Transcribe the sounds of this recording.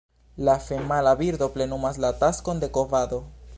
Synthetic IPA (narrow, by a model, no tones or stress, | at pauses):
lafemalaβiɾd̪o̞ple̞numaslat̪asko̞nd̪e̞kovad̪o̞